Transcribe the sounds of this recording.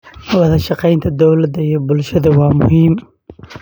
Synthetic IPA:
wɐðɐʃɑqɛjnt̪ʰɐd̪ɔwlɐd̪ɐjɔbʊlʃɐðɐwɑːmʊ̰him

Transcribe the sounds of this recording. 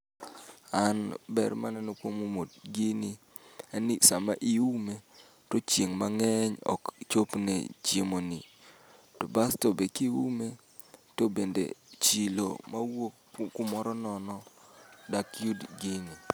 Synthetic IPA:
anbɛ̰ɾmanɛnokwomumodɡini | anisamaʔiume | tot͡ʃeŋmaŋɛɲɔ̰kt͡ʃopnɛ̰t͡ʃemoni | tobastobekiwume | tobendḛt͡ʃilo̰mawok | kʊmɔɾɔnɔnɔdakjudɡini

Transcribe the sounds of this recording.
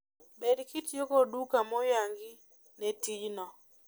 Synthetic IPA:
bɛdkitjokodukamɔjaŋɡi | netid͡ʒnɔ

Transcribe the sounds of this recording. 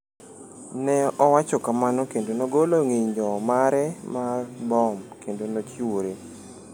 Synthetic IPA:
nɛʔɔwat͡ʃɔkamanɔkendonoɡoloŋiɲd͡ʒɔmaɾɛmarbɔmkendonot͡ʃoɾe

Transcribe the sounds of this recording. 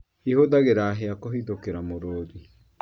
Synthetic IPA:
ihoðaɣeɾaːɦeakoɦiðokeɾamoɾoːði

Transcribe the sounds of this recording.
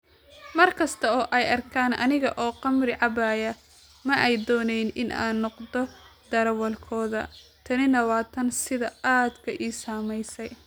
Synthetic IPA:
mɐrkʰɐst̪ʰɐɔːʔɛjɐrkʰaːnɐ̰nɪɣɐʔɔːqɑmrɪʕɑbaːjɐ | mɐʔɛjd̪ɔːnɛjnɪna̰ːnːɔqd̪ɔd̪̥ɐɾɐwɐlkʰɔːðɐ̰t̪ʰɐnɪnɐwaːt̪ʰɐnsɪðɐaːd̪kʰɐʔiːsaːmɛjsɛj

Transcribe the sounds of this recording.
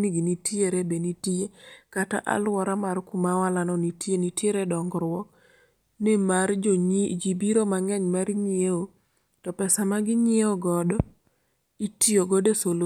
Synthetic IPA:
niɡinitieɾebenitiekata̰ʔa̰lwɔɾamarkumawalanɔnitjenitjeɾedɔŋɡɾwɔ | nemaɾd͡ʒibiɾomaŋɛɲmaɾɲɪeo | tɔpɛsamaɡɪɲɪeoɡɔdɔ | itioɡɔdesolu

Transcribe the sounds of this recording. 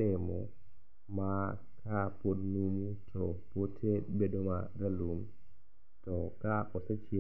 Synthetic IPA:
ɛmɔ | ma | kʰapodnumutʰɔpotʰebedɔmaɾalum | tɔkaʔɔsat͡ʃi

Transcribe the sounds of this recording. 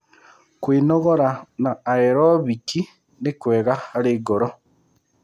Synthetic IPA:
kwiːnoɣoɾanaːeɾoβiki | nekweːɣaaɾeːɡoɾo

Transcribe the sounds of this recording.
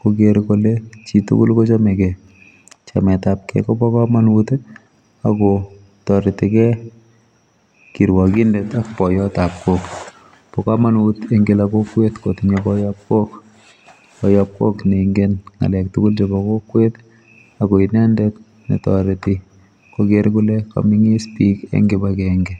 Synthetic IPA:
kokeɾkolet͡ʃitṵkʊlkot͡ʃamekɛ | t͡ʃamɛtap̚kɛ̰kɔpɔkamanut | akɔ | tɔɾɪtɪkɛ | kiɾwakindɛtak̚pɔjɔtap̚kok | pɔkamanuteŋɡelakokwetkotiɲabɔjap̚kok | ɔjap̚kokneŋɡenŋa̰lɛk̚tʊkʊlt͡ʃebɔkokwet̪ | akɔinɛndɛt̚ | nḭtɔɾɪti | kɔkeɾkuleka̰miŋistikḛŋɡɪbakɛŋɡɛ

